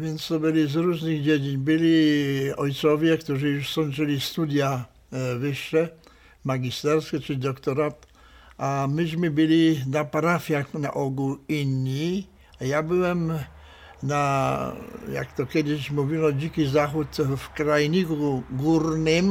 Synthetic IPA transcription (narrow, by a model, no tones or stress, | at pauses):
vjɛnt͡st̪ɔbɪlizɾuzniɣd͡ʑɛd͡ʑiɲbɪliɔjt̪sɔvjɛkt̪uʐijuʃsɔnʐɛlist̪ud̪ja | vɪʃːɛ | maɡist̪ɛɾskɛt͡ʂɪd̪ɔkt̪ɔɾat̪ | ʔamɪʑmɪbɪlinapaɾafjaxna̰ʔɔɡuinːi | ajabɪwɛm | na | ja̰kt̪ɔkjɛd̪ɪɕmuvilɔd͡ʑikizaxut̪fkɾajɲikuɡuɾnɪm